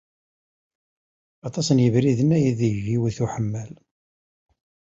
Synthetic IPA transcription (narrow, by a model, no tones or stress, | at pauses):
ɑt̪ˤɑsənjəvɾiðənːæjiðʒiwθuħəmːæl